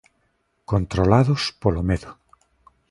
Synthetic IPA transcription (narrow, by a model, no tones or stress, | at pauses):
kont̪ɾolaðʊspolomeðʊ